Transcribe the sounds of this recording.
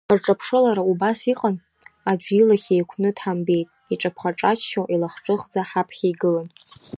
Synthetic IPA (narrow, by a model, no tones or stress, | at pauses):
arʈ͡ʂʼapʰʂɨlaɾaubasiqʼan | ad͡ʒʷilaχʲejkʷʰnɨdħambe̞jtʼiʈ͡ʂʼapʰχaʈ͡ʂʼat͡ʃʰʃowʔilaχʈ͡ʂʼɨχd͡zaħapʰχʲajɡɨlan